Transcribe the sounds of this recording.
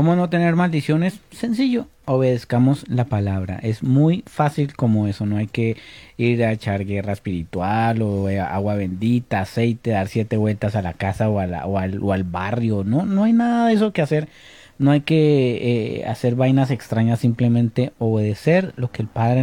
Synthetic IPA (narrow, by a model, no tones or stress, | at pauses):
komono̞t̪e̞ne̞ɾmald̪isjo̞ne̞sːe̞nsiʝo̞ | oβe̞ð̞e̞skamo̞slapalaβɾa̰ʔe̞zmujfasilko̞mo̞e̞so̞no̞ajke̞iɾaet͡ʃaɾɣe̞raespiɾit̪waloa̰ɣwaβe̞nd̪it̪aːse̞jt̪e̞ðaɾsje̞t̪e̞βwe̞lt̪asalakasaoala̰oaloalβarjo̞no̞noajnaðaðe̞s̬o̞kease̞ɾ | no̞ajke̞ea̰se̞ɾβajnase̞kst̪ɾaɲasːimple̞mẽnt̪e̞o̞βe̞ðe̞se̞ɾlo̞ke̞ːlpaðɾe